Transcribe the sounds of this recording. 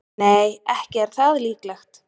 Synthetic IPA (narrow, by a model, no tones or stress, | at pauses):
neːjɛhcɪɛɾ̥θaðliːklɛxt̪